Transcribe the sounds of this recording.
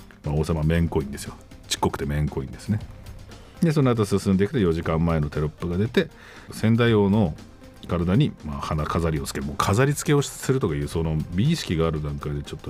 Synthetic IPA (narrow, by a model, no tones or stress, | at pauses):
mao̞ːsamamẽ̞ŋko̞ĩnd̪e̞sɨjo | t͡ɕi̥kːo̞kɯ̥t̪e̞mẽ̞ŋko̞ĩnd̪e̞sɨne | d̪e̞s̬onokat̪osɨsɨ̃nd̪eki̥t̪ojo̞ʑikãmːae̞no̞t̪e̞ɾopːɯ̟ɡad̪e̞t̪e̞ | sẽ̞nd̪aio̞ːno̞ | kaɾad̪aɲ̟imahanakʰazaɾʲiot͡sɨ̥keɾɯmoːkʰazaɾʲit͡sɨ̥ke̞oɕi̥ɨ̥sɨɾɯ̟t̪o̞kaiɯ̟ːsono̞bʲiːɕi̥kʲiɡaːɾɯ̟d̪ãŋkaid̪e̞t͡ɕo̞t̪ːo